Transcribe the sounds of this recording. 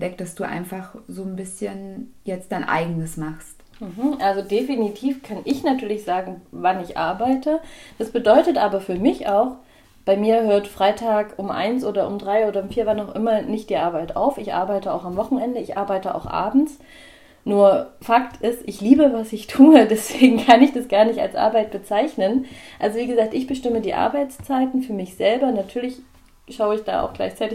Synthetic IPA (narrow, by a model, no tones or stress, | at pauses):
d̥ɛk̚td̥asd̥uːʔa̰ɪnfaχzoːnbɪsçənjɛt͡std̥aɪnʔa̰ɪɡənəsmaχst | m̩ɦm̩ʔalzodefinitʰiːfkʰanʔɪçnatʰyːɐlɪçz̥aːɡŋ̩vanɪçʔa̰ɐbaɪtʰəd̥asb̥ədɔʏtətʔaːbɐfyːɐmɪçaʊx | b̥aɪmiːɐɦøːɐtfʁ̥aɪtʰaːkʊmʔa̰ɪnsʔoːɾɐʊmdʁaɪoːɾɐʊmfiːɐvanaʊʔɪmɐnɪçtd̥iːʔaɐbaɪtʔa̰ʊfɪçʔa̰ɐbaɪtəa̰ʊxamvɔχn̩ɛndəɪçʔa̰ɐbaɪtəa̰ʊxʔa̰ːbm̩t͡s | nuːɐfaktʰɪstʔɪçliːbəvasɪçtʰuːədɛsv̥eːɡŋ̩kʰanɪçd̥asɡ̥aːɐnɪçta̰lsʔa̰ɐbaɪt̚b̥ət͡saɪçnənʔalzoviːɡəzaːk̚tɪçb̥əʃtɪmədiːʔa̰ɐbaɪt͡st͡saɪtn̩fyːɐmɪçz̥ɛlbɐnatʰyːɐlɪç | ʃaʊəɪçd̥a̰ːa̰ʊxɡ̥la̰ɪçt͡saɪtɪç